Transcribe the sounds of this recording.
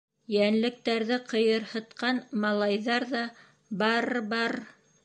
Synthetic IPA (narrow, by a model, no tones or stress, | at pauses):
jænlɘ̆k̚t̪æɾðɘqʰɤ̆jɤ̆ɾhɤ̆t̪̚qɑnmɑlˠɑjðɑɾðɑ | bɑɾbɑɾ